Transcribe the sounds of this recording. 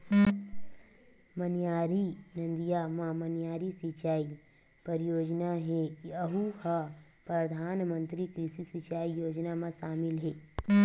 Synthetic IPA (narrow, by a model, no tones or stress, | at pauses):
mɐnjaːɾinɐ̃nd̪ijamãmɐnjaːɾisit͡ʃaːi | pəɾjoːd͡ʒnaɦɛkiɐɦuha | pɾɐd̪ʱaːnmə̃nt̪ɾikɾɪʃisit͡ʃaːijoːd͡ʒnamãʃaːmɪlɦɛː